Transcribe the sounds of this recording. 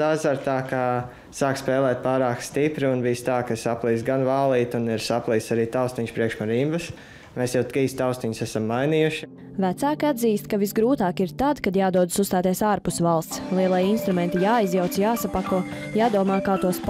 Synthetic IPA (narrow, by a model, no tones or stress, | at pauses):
azaɾt̪aːka | saːkspɛːlˠɛːt̪̚paːɾaːkst̪ipɾiunbijst̪aːkasaplˠiːsɡanvaːlˠiːt̪uniɾsaplˠiːsaɾiːt̪aʊst̪iɲspɾiɛkʃmaɾimvəs | meːsjɛwt̪kiːst̪aʊst̪iɲsæsamːajniːjuʃ | væt̪saːkiad̪ziːst̪kavisɡɾuːt̪aːkiɾt̪ad̪kad̪jaːd̪uɔd̪sust̪aːt̪iɛsaːɾpusvalˠst̪slˠiɛlˠajinst̪ɾumɛnt̪ijaːizjawt̪sjaːsapakuɔjaːd̪uɔmaːkaːt̪uɔsp